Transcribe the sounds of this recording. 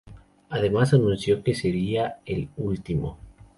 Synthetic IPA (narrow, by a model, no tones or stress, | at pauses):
aðe̞mas̬anũnsjo̞ke̞se̞ɾiaelult̪imo̞̰